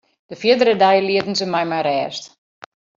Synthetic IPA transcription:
d̥əfjidərədajəliətn̩səmajmajrɛːst

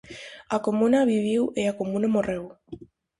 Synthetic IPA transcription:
akomũnaβiβiweakomũnamorew

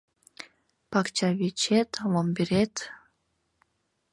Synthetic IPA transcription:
pɑkt͡ɕaβit͡ɕet̪lombiɾet̪

